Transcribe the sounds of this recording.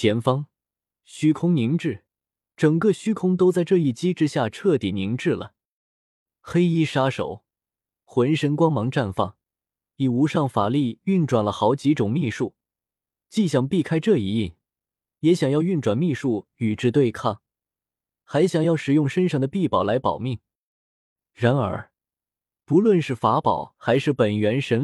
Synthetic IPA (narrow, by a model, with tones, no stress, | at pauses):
t͡ɕʰjɛ˧˥nfɑ˥ŋ | ɕy˥kʰʊ˥ŋni˧˥ŋʈ͡ʂɻ̩˥˩ | ʈ͡ʂɤ˨˩ŋkɤ˥˧ɕy˥kʰʊ˥ŋt̪̬o˥ʊt͡sa˥˧ɪʈ͡ʂɤ˥˧i˥˩t͡ɕi˥ʈ͡ʂɻ̩˥ɕja˥˧ʈ͡ʂʰɤ˥˩t̪i˨˩ni˧˥ŋʈ͡ʂɻ̩˥˩lə̰˩ | xe˥ɪi˥ʂa˥ʂo̰˨˩˦ʊ | xwə˧˥nʂə˧˥nkwɑ˥ŋmɑ˧˥ŋʈ͡ʂa˥˧nfɑ̰˥˩ŋ | i˨˩u˧˥ʂɑ˥˩ŋfa˨˩li˥˧y˥˩nʈ͡ʂwa˨˩nlə˦xɑ˧˥ʊt͡ɕi˧˥ʈ͡ʂʊ˨˩ŋmi˥˧ʂu˥˩ | t͡ɕi˥˩ɕjɑ˨˩ŋpi˥˩kʰa˥ɪʈ͡ʂɤ˥˩i˧˥i˥˩ | jɛ˧˥ɕjɑ˨˩ŋjɑ˥˧ʊy˥˩nʈ͡ʂwa˨˩nmi˥˧ʂu˥˩y˨˩ʈ͡ʂɻ̩˥t̪we˥˧ɪkʰɑ˥˩ŋ | xa˧˥ɪɕjɑ˨˩ŋjɑ˥˩ʊʂɻ̩˨˩jʊ˥˩ŋʂə˥nʂɑ˥˩d̪ə˧pi˥˩pɑ˨˩ʊla˧˥ɪpɑ˨˩ʊmi˥˩ŋ | ɻa˧˥nə̰˞˧˥ | pu˧˥lwə˥˧nʂɻ̩˥˩fa˧˥pɑ̰˨˩˦ʊxa˧˥ɪʂɻ̩˥˩pə˨˩nɥɛ˧˥nʂə˧˥n